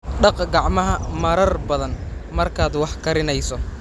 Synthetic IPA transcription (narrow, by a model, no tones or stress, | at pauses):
ɖɑqɡɑʕmɐɦɐmɐɾɐrbɐðɐnmɐrkʰaːd̪wɑħkʰɐɾɪnɛjsɔ